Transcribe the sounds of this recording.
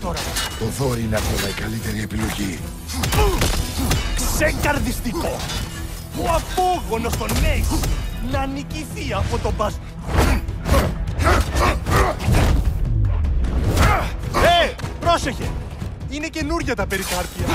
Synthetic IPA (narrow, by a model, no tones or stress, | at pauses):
t̪oɾɐoðo̞ɾineɐkomɐikɐlit̪eɾiepilo̞ʝi | kseŋkɐɾðist̪iko | puɐpoɣonost̪o̞neɣnɐniciθiɐpot̪o̞bɐsi | epɾoseçe | inece̞nuɾʝɐt̪ɐpeɾikɐɾciɐ